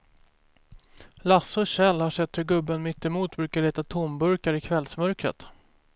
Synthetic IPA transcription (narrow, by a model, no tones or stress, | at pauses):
lasɔɕɛlːhaʂɛt̪ːhɵɾɡɵbːənmɪt̪ːɛmuːt̪bɾʉːkaɭeːt̪at̪ʰʊmbɵɾkaɾɪkʰvɛlsmœɾkɾə̰t̪